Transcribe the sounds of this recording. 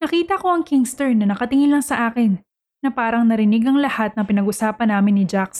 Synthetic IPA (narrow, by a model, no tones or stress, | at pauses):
nɐkiːt̪ɐko̞ʔɐŋkɪŋst̪ɛɹnɐnɐkɐt̪ɪŋɪnlːɐŋsɐʔaːkɪnː | ɐpaːɾɐŋnɐɾɪnɪɡɐŋlɐhat̪̚nɐŋpɪnɐɡʔʊsaːpɐnːaːmɪnːɪd͡ʒaks